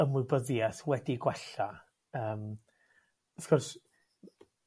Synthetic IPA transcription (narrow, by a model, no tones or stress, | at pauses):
əmʊɨbəðjaθwɛdiɡwɛɬa | əːm | θkʊrs